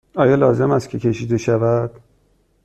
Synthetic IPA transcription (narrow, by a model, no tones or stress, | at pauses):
ɒːjɒːlɒːze̞mæst̪cʰe̞cʰe̞ʃiːd̪e̞ʃævæd̪̥